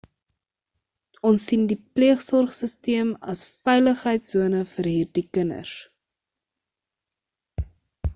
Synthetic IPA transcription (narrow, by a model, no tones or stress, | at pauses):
ɔnsːindipliəχsɔrχsəstiəmɐsfɛjləχɦəjtsuənəfəɾɦiːrdikənə̰r